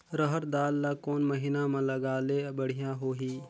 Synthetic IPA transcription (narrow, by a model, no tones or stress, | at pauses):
ɾəɦəɾd̪aːlːakɔːnmɐɦinamãlɐɡaːlebəɽ̤ijãɦoːɦiː